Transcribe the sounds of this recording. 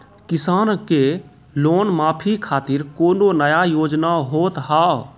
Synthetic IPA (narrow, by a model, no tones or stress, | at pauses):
kɪsaːnke | loːnmaːpʰikʰaːt̪ɪɾkoːnonəjajoːd͡ʒnaɦoːt̪ɦaːo